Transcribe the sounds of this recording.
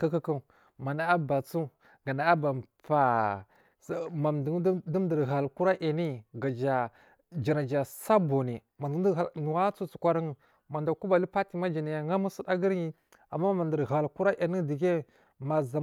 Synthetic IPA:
ka˦ka˦ka˦˨ | ma˨na˨a˦ba˨t͡su˦ | ɡa˨na˨a˦ba˨mpa˨˦ | ma˨mddi˦m˦də˨ɾɣa˨lku˦ɾa˦ʔa˨ni˦ɡa˨d͡ʒa˨ | d͡ʒi˨na˨d͡ʒa˨sa˦bo˨ni˨ | ma˨n˨də˨˦˨nu˨wa˦t͡su˦t͡su˨kʷa˦ɾa˦ŋə˨ | ma˨nda˨ku˦ba˨li˦pa˦ti˨ma˦d͡ʒa˨na˨ja˨ŋa˦mu˦su˦da˦ɡə˦ɾji˦ | a˨mːa˦ma˨ndə˨ɾɣa˨lku˦ɾa˦ʔa˨ni˦di˨ɡe˦ | ma˨za˨

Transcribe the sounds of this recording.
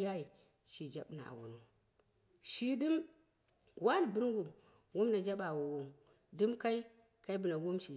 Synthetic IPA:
ja˦i˨ | ʃi˨d͡ʒa˦ɓna̰˨a̰˨wṵ˨nu˨ | ʃi˦di˦m | wa˦n˨bi˦ɾɡu˨ | wu˦mna˨d͡ʒa˦ɓa˨wu˨wu˨m | du˦mka˦i˦ | ka˦i˦bu˨na˨wu˦mʃi˨

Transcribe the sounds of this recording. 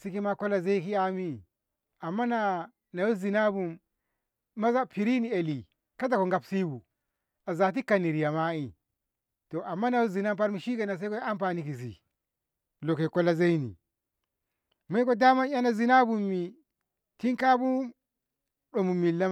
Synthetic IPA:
si˦ki˦ma˦ko˦lːa˦ze˦i˦ki˦a˦mi˦ | a˨mːa˦na˨ | na˨jo˦zi˨na˦bu˨mː | a˦za˦pi˨ɾi˦ni˨e˨li˨ | ka˦t̬a˨ko˨ŋɡa˨psi˦bṵ˨ | a˨za˨t̬i˦ka˨ni˨ɾi˨ja˨ma˦i˨ | to˨ʔa˨mːa˦na˨jo˦zi˨na˦mpa˦ɾmi˦ʃi˦ke˨na˨s̬e˦ko˦a˦mp̬aː˨ni˦ki˨s̬ḭ˨ | lo˨ke˨ko˦lːa˦za˦i˦nḭ˨ | ma˦ko˦da˦ma˦a˦na˨zi˨na˦bu˨mːi˨ | ti˦ŋka˦bu˦ | ɗo˨mu˨mːi˨la˦

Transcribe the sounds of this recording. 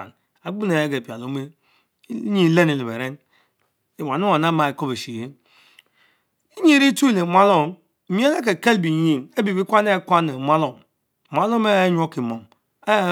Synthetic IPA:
n | a˨ɡ͡bu˦ne˨ja˦ɡe˨pʲa˨lo˨˦me˦ | ɲi˦le˦ni˨le˨be˨ɾe˦n | e˨wa˨nu˦a˨na˦ma˨e˨ko˦be˨ʃi˨je˦ | i˦ɲi˦ɾi˦tu˦i˨le˨mʷa˦lo˦˨˦ | mi˦e˦a˦k̬e˨ke˦lbi˨ɲi˦me˦bi˨bi˦kʷa˦ne˦kʷa˦ne˨mʷ˦a˦lo˨m˨ | mʷa˦lo˦me˦ɲ˦o˦ki˨mo˨ŋ | a˦

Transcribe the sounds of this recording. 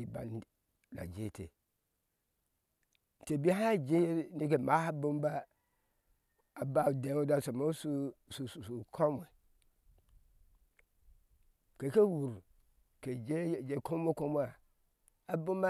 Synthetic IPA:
i˨ba̰˨n˦ | la̰˨d͡ʒe˦˨tʰḛ˨ | n̩˨te˨bi˦ɦã˦˨d͡ʒe˦ni˦ke˨ma˨˦ha˦bʊ̃˦m˦ba˦ | a˨ba˦˨dɛ˨˦o˦da˦˨sa˨mo˦su˦su˨su˨su˨kʰɔ˦m˨ɛ˨ | ke˨ke˦wu˨ɾ | ke˨d͡ʒe˦˨d͡ʒe˨kʰõ˦mo˦ko˦m˦a˨ | a˨bʊ̃˦ma˦

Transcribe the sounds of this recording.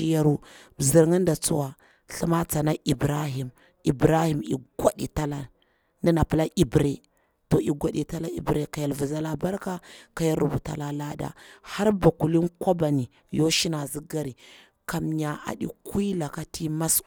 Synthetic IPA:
i˦ja˦ɾu˦˨zi˨ɾŋi˦n˦da˨t͡su˦wa˨ | ɬi˦ma˦t͡sa˨na˦ʔi˨bɾa˦ɦi˨m | i˨bɾa˦hi˨mḭ˨ɡʷa˦dḭ˨ta˦la˦ | ni˦na˨pi˨˦la˦ʔi˨bɾe˦ | to˨i˨ɡʷa˦ɗi˨ta˦la˦ḭ˨bɾe˦ka˨ja˨lvu˨za˦la˨ba˦ɾka˦ka˨ja˦lɾu˨bu˨ta̰˨la˦la˦da̰˨ha˦ɾba˨ku˨li˦nkʷa˦ba˨ni˨ | jo˦ʃi˦na˨zi˦ɡa˦ɾi˨ | ka˨mɲa˨a̰˨ɗḭ˨ki˦la˨ka˦tʰi˦ma˦s

